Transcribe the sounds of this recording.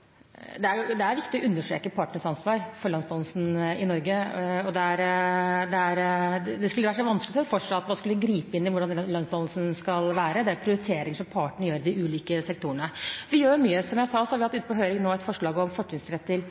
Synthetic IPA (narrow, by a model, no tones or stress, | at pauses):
d̪ɛæɾjʊd̪ɛæɾʋɪkt̪ɪɔʔʉnːəʂʈɾḛːkəpʰɑːʈɳəʂɑnsʋɑːɾfɔɾɭɑnst̪ɔːll̩sn̩ɪnɔɾɡəɔd̪ɛæɾd̪ɛæɾd̪ɛskʉləʋæɾʂɔʋɑnsklɪsɛfɔʂɑt̪ʋ̪ɑskʉlɡɾiːpəɪnːɪʋʊɖɑnlœnst̪ɔllsnskɑlʋæːɾəd̪ɛæɾpʰɾɪʊɾɪt̪ʰeːɾɪŋʂɔmpʰɑːʈɳ̩jøːɾd̪ɪʔʉːliːkəsɛkt̪ʰuːəɳəʋɪjøːmyːəsɔmjæɪsɑːsɔhɑɾʋɪhɑt̪ːʉːt̪əpɔɦøːɾɪŋnoːɛt̪fɔʂɭɑːɡɔmfɔʈːɪŋsɾɛt̪ʰːɪl